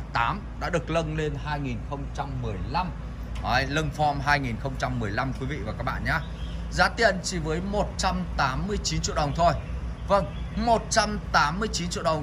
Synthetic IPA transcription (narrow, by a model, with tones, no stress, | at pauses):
t̪aː˨˦mɗa̰ː˧˥ɗɨ˨˩ə˩k̚lə˧ŋle˧nɦaː˧jŋi˨˩nxə˧wŋ͡mt͡ɕa˧mːɨ˨˩əjla˧m | ʔə˨˧˦jlə˧ŋfɔ˧mɦaː˧jŋi˨˩nxə˧wŋ͡mt͡ɕa˧mːɨ˨˩əjla˧mkkwi˨˦vḭ˧˨vaː˨˩kaː˦˥k̚ɓa̰ː˧˨ʔɲaː˨˦ | zaː˨˦t̪ḭ˧˨ənt͡ɕi˨˩vəː˨˦jmo˨˩t̚t͡ɕa˧mt̪aː˨˦mːɨ˧əjt͡ɕi˨˦nt͡ɕḭ˧˨ɗə˨˩wŋ͡mt̪ʰo˧jvə˧˩ŋmo˨˩t̚t͡ɕa˧mt̪aː˨˦mːɨ˧əjt͡ɕi˨˦nt͡ɕḭ˧˨ɗə˨˩wŋ͡m